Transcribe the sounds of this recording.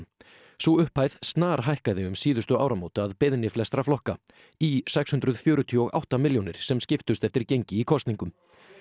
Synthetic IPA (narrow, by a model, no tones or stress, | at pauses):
suʏhpajð̥st̪naːɾ̥ɦajhkaðɪʏmsiːðʏst̪ʏa̰ːwɾamowt̪aaðpɪðnɪflɛst̪ɾaflɔhka | isɛkshʏnt̪ɾʏð̥fjœːɾʏt̪ʰiɔɣa̰wht̪amɪljɔnɪɾ̥sɛmscɪft̪ʏst̪ɛft̪ɪɾcejɲcɪikʰɔst̪niŋkʏm